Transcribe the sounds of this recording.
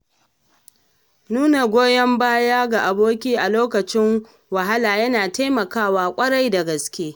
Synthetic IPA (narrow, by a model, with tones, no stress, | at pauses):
nuː˦na˨ɡʷoː˦jɐ˦mbaː˦jaː˦ɡa˨ʔa˨boː˦kʲiː˦ʔa˨loː˦kɐ˨t͡ʃɪ˦ŋ | wɐ˨ɦa˦laː˨jɐ˦naː˨ta˦jmɐ˨kaː˦waː˦kʷʼɐ˦ɽa˦jda˨ɡɐ˨skʲeː˦